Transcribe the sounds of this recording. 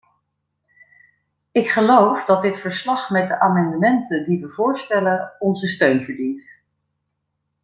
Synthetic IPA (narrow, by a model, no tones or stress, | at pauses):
ɪkχəlowfdɑt̚dɪtfəɹslɑχmɛt̚dəʔaːmɑndəmɛntədiʋəvʊːɹstɛləɔnzəstøɥnvəɹdint